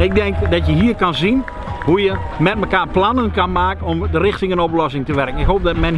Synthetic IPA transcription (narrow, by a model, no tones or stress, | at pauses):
ɪɡ̚dɛŋkdɔtjəɦiːərkanzin | hujəmɛt̚məkaːrplanənkanmaːkənɔmdərɪxtɪŋənɔp̬lɔsɪŋtəʋɛrkənɪkɦoːp̚dɔt̚mɛn